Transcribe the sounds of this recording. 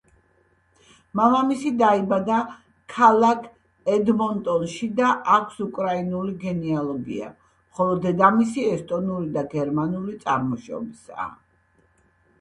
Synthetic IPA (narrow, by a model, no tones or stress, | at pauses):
mamamisid̪aibad̪a | kʰalˠakʰ | ɛd̪mɔnt̪ʼɔnʃid̪aʔakʷʰsukʼɾainuliɡɛnialˠɔɡḭa̰ | mχɔlˠɔd̪ɛd̪amisiɛst̪ʼɔnulid̪aɡɛɾmanulit̪sʼa̰ɾmɔʃɔ̰bisa̰ː